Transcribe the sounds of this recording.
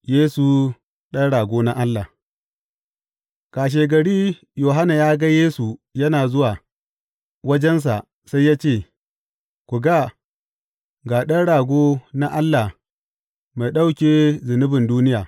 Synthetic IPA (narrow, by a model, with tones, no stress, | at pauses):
jeː˦su˨ | ɗɐ˦nɽaː˨ɡʷoː˦na˦ʔa˦lːa˨ | kaː˨ʃ̬eː˨ɡɐ˨ɽiː˦ | joː˨ɦa˦na˨jaː˦ɡa˦jeː˦su˨jɐ˦naː˨zʊ˦waː˨ | wɐ˦d͡ʒɛ˦ns̬a̰˨ | sa˦jːaː˦t͡ʃeː˦˨ | kʷu˨ɡa˦ | ɡaː˨ɗɐ˦nɽaː˨ɡʷoː˦na˦ʔa˦lːa˨ | ma˨jɗa˦wkʲeː˦zʊ˨nʊ˦bɪ˨nduː˦nɪ˦jaː˨